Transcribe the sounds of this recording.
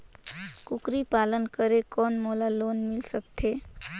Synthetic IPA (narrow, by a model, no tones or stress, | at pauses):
kʊkɾipaːlənkəɾekɔːnmolaloːnmɪlsək̚t̪ʰe